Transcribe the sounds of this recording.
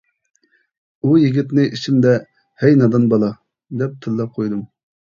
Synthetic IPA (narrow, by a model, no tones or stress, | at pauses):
ujiɡʲit̪nɨʔit͡ʃʰimd̪ɛ | hɛjnɑd̪ɑnbɑlˠɑ | d̪ɛp̚t̪ʰɨlˠːɑp̚qʰojd̪um